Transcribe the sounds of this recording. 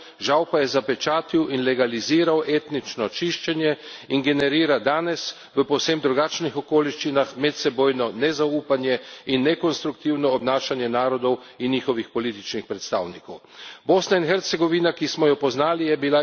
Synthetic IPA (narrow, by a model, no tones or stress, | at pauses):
ʒawpajɛzapɛt͡ʃaːt̪iwinlɛɡaliziːɾawʔeːt̪nit͡ʃnɔt͡ʃiʃt͡ʃɛnjɛinɡɛnɛɾiːɾad̪aːnɛs | ʋəpɔwsemd̪ɾuɡat͡ʃnixɔkoːliʃt͡ʃinaxmɛt̪sɛboːjnɔnɛzauːpanjɛinːɛkɔnst̪ɾukt̪iwnɔːbnaːʃanjɛnaːɾɔd̪ɔw | inɲiːxɔʋixpɔliːt̪it͡ʃnixpɾɛt̪st̪a̰ːwnikɔw | boːsnainxɛɾt̪sɛɡɔʋinakismɔjɔpɔznaːlijɛbila